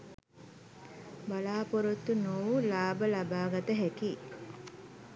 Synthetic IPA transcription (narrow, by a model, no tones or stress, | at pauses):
balaːpoɾut̪ːunuːlaːbəlabaːɡɐt̪əɦekiː